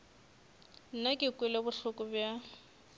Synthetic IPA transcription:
n̩nakʼɪkʼwɪlebʊɬʊkʼʊbja

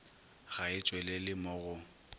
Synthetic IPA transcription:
ɣaɪt͡ʃʼwɛlɛlɪmʊɣʊ

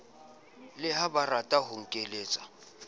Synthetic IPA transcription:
lɪɦabaratʼaɦʊŋ̩kʼeleːt͡sʼḁ

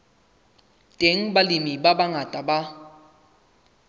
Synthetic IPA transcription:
tʼeŋ̩balimibabaŋatʼaba

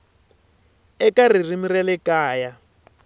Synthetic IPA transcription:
ɛkarir̤imirɛlɛkaːja

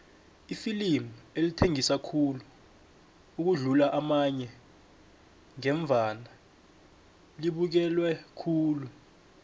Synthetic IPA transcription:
ifilimuelitʰeŋisakʰulu | uk̬uɮulaʔamaɲɛ | ŋɛɱb̪vʱana | liɓuk̬ɛlwɛkʰuːlu

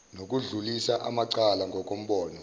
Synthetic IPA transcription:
nok̬ʼuɮulisaʔamaǀalaŋɡʱɔk̬ʼom̩ɓɔːnɔ

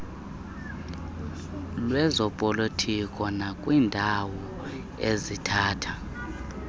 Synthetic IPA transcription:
lwɛzɔpʼolitʰikʼɔnakʼwiːndʱawɔ | ezitʰaːtʰa

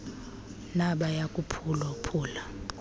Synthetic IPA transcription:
naɓajakʼupʰulapʰuːla

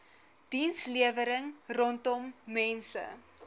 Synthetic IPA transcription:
d̥insliəvəɾəŋrɔntɔmːɛnsə̰

